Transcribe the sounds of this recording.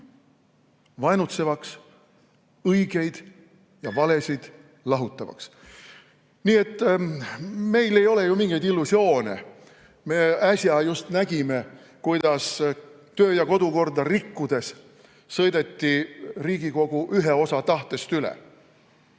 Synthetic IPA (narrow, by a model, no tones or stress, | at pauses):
vɑjnut̪se̞vɑks | ɤjɡ̥e̞jd̪̥ | jɑvɑle̞sʲid̪̥ | lɑɦut̪ˑːɑvɑ̰ks | niːe̞t̪ː | me̞jle̞jo̞le̞jumiŋɡejd̪ilːusio̞ːnḛ | me̞æsjɑjust̪næɡ̥ime | kujd̪̥ɑs | t̪ø̞ːjɑko̞d̪uko̞rd̪ɑrikːud̪̥e̞s | sɤjd̪e̞t̪ːiriːɡiko̞ɡ̥uʔyɦeo̞sɑt̪ɑht̪e̞st̪ylɛ̰